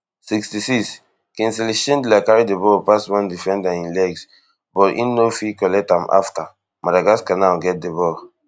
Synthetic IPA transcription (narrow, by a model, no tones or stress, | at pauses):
sikstisiks | kɛ̃nsɛlɛʃɔ̃ndlakaɹidebɔpaswãndifɛ̃ndaĩnlɛɡs | bɔtḭ̃nːofikɔlɛk̚tãma̰fta | madaɡaskãnawɡɛt̚debɔl